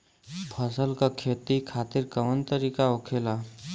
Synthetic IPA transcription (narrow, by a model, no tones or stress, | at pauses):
pʰəsəlkakʰeːt̪ikʰaːt̪ɪɾkəʋənt̪əɾiːkaokʰeːla